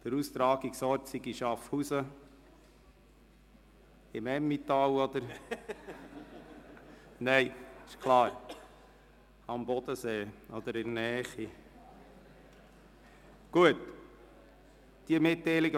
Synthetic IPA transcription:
d̥əɾust̪ɾɑːɡiksɔɾtsiɡiʃɑfhusə | ɪmɛmːit̪ɑwɔd̪əɾ | nɛɪɪʃkʰlɑːɾ | ɑmbɔd̪əseːɔd̪əɾɪnnɛːχi | ɡ̥uət | d̥iəmɪt̪ːɛɪliɡə

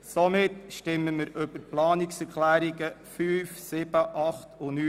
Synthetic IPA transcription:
sɔmɪtʃtɪmːəməɾɵb̥əɾplɑːniksɛɾklæːɾiɡəfyːfsɪb̥əʔɑχtʊnyː

